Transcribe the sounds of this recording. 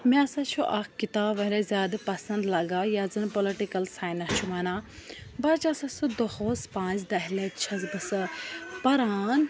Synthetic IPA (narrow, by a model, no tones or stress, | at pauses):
mẽɐsãt͡ʃʰuʔakkːit̪aːbʋɐɾezʲjaːd̪pɐsɐnd̪lɐɡaːjaːzɨnpoliʈikɐlsaːjnat͡ʃʰumanaː | bɐt͡ʃɐsãsud̪ohoːspãːzd̪ɐɦlet͡ʃʰɐzbɨsɨpɐɾaːn